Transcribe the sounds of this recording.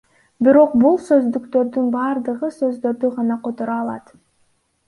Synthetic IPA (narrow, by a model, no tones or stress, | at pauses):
biɾo̞q̚bulˠsø̞zd̪ykt̪ø̞ɾd̪ynbɑːɾd̪ɯʁɯsø̞zd̪ø̞ɾd̪yʁɑnɑqʰo̞t̪oɾɑːlˠɑ̰t̪